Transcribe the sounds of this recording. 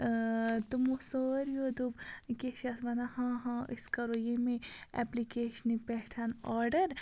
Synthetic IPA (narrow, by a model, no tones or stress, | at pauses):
t̪umosoːɾjod̪ubkeʃɐsʋɐnahãːɦãiskɐɾoːjemẽɛ̰plikeːʃnipɛʈʰanaːɾɖɐɾ